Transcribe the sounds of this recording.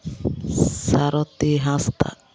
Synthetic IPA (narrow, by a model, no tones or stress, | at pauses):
saɾɔt̪iɦast̪a̰